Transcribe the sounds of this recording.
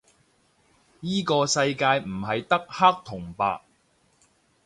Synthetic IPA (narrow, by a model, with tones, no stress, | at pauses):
jiː˥kɔː˧sɐ˧jkaː˧jm̩˨˩ɦɐ˨jt̪ɐ˥k̚ha˥k̚t̪ʰʊ˨˩ŋpa̰ː˨k̚